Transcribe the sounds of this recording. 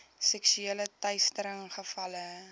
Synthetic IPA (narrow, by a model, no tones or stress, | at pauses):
sɛksyeːlətœɥstəɾəŋχəfɐlə